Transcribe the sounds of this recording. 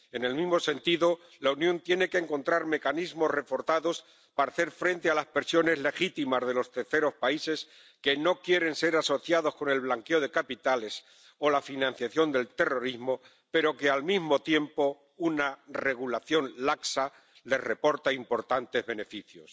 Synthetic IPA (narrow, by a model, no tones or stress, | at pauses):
e̞ne̞lmizmo̞se̞nt̪iðo̞ | launjõ̞nt̪je̞ne̞keːŋkõ̞nt̪ɾaɾme̞kanizmo̞sre̞fo̞ɾθaðo̞s | paɾaθe̞ɾfɾẽ̞nt̪e̞alaspe̞ɾsjo̞ne̞zle̞xit̪imazðe̞lo̞st̪e̞ɾθe̞ɾo̞spaise̞s | ke̞no̞kje̞ɾe̞nse̞ɾaso̞θjaðo̞sko̞ne̞lβlaŋke̞o̞ðe̞kapit̪ale̞s | o̞lafinãn̟θjaθjo̞nd̪e̞lt̪e̞ro̞ɾizmo̞ | pe̞ɾo̞ke̞almizmo̞t̪je̞mpo̞ | unare̞ɣ̞ulaθjo̞nlaksa | le̞zre̞po̞ɾt̪aimpo̞ɾt̪ant̪e̞zβe̞ne̞fiθjo̞̰s